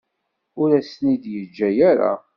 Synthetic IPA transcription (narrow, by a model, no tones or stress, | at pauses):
ʊɾæsnid̪jəd͡ʒːæjæɾa̰